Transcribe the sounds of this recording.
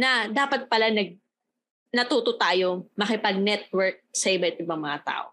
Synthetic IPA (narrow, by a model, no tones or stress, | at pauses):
nɐd̪aːpɐt̪̚pɐlanɐɡ̚ | nɐt̪uːt̪ot̪aːjo̞mɐkɪpɐɡ̚nɛt̪̚wɛɹk̚sɐʔɪbaʔɪt̪ɪbɐŋmɐŋat̪a̰ːʔo